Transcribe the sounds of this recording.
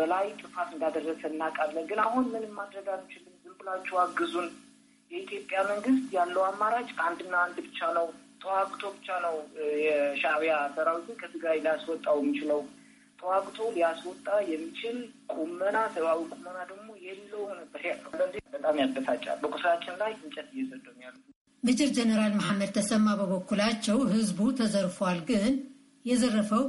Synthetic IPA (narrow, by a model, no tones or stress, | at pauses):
bəlajt̪ʼɨfat̪ɨnd̪ad̪ərːəsəɨnːakʼalːənɡɨnaɦunmɨnɨmːad̪ɾəɡalmːit͡ʃʰɪlɨmzɨmbɨlat͡ʃːɛwaɡːɨzun | jɛit̪ʰjo̞pʼjaməŋɡɨst̪jalːəwamːaɾat͡ʃʼand̪ɨnːaːnd̪bɨt͡ʃːanəwt̪ʼəwaɡt̪ʰo̞bɨt͡ʃːanəwjɛʃaβijasəɾawizɨnkʰət̪ʰɨɡɾajlijaswɔt̪ʼːawjɛmːit͡ʃɪləw | t̪ʼəwaɡʼt̪ʰo̞lijaswɔt̪ʼːajɛmːit͡ʃʰɪlkʼumːənasəβawikʼumːənad̪əɡ̚mo̞jɛlːəwnəbːəɾjalːəwlːənd̪bət̪ʼamjad̪ːəsat͡ʃʼːa̰lbəkʼusɾat͡ʃːɪnlajɨnt͡ʃʼɛt̪ɪjːɛzəd̪ənjalːu | mɨd͡ʒɪɾd͡ʒɛnəɾalmahamːəd̪̚t̪ʰəsəmːabəβɔkːulat͡ʃːɛwhɨzbut̪ʰəzəɾfwalɡɨn | jɛzərːəfəw